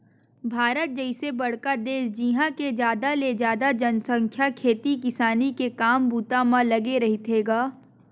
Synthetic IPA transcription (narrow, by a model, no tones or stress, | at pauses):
bʱaːɾət̪̚d͡ʒɛɪsebɐɽ̤kad̪eːsd͡ʒiɦãked͡ʒjaːd̪aled͡ʒaːd̪ad͡ʒɐnsə̃ŋkʰjakʰeːt̪ikɪsaːnikekaːmbuːt̪amãlɐɡeɾɐɦit̪ʰeːɡaː